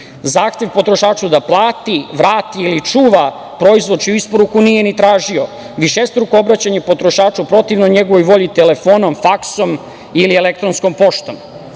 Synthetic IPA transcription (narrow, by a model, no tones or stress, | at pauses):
zaːxt̪je̞ʋpo̞t̪ɾo̞ʃaːt͡ʂud̪aplˠaːt̪iʋɾaːt̪iːlit͡ʂuːʋa | pɾo̞izʋod̪t͡ʃiuispo̞ɾukunijenit̪ɾaːʒio | ʋiʃest̪ɾukoobɾat͡ɕaɲepo̞t̪ɾo̞ʃaːt͡ʃupɾo̞t̪iʋnoɲeɡoʋo̞jʋo̞ʎit̪elefo̞ːnomfakso̞m | ilielek̚t̪ɾonsko̞mpo̞ʃt̪om